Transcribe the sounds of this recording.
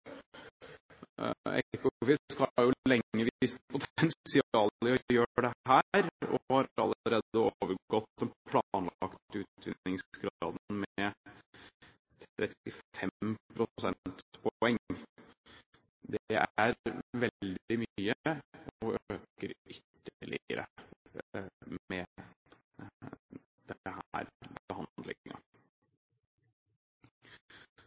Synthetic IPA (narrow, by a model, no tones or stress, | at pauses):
ɛ̰kʊʊfɪskɑjʊlɛŋːəʋɪspʰʊt̪ʰɛnssɪɑːləɔjøːɖɛhæːɾɔ̰hɑɾɾɑ̰lːəəɾeːd̪əoːʋəɾɡɔt̪ːɛnpʰlɑnlɑkt̪ʉːt̪ʰʋɪnːɪŋsɡɾɑːd̪n̩mɛ | t̪ʰɾɛt̪ɪfɛpʰɾʊsɛnt̪pʰɔɛŋ | d̪ɛæɾʋɛld̪ɪmyyːəɔʔøːkəɾʏt̪ːəɭɪ̰ə̰ɾʔə̰ | mɛ | d̪̥ɛhæ̰ːɾbbəhɑnd̪lɪ̰ŋːɑ̰